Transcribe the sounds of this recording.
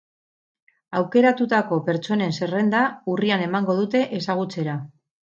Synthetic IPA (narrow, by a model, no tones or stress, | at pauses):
awke̞ɾat̪ut̪ako̞pe̞ɾt͡ʃo̞ne̞nse̞re̞nd̪auriane̞maŋɡo̞ð̞ut̪e̞ʔesaɣ̞ut͡se̞ɾa